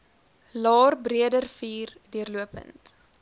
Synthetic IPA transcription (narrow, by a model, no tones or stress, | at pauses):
lɑːrbriədərfiːrdiərluəpə̰nt